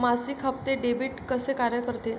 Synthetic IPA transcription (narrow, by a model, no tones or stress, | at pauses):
masikʰəp̚t̪eɖebiʈkəsekaɾjəkəɾt̪e